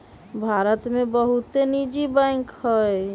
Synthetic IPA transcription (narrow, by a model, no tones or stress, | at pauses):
bʱaːɾət̪mẽbəɦut̪enid͡ʒibɛ̃ŋkhɔe